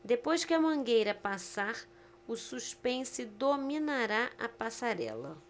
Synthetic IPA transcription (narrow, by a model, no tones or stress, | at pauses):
d̪epojskɪɐmɐ̃ŋɡejɾɐpasaɾ | ʊsuspẽnsɪd̪omĩnaɾaɐ̰pasaɾɛ̰lɐ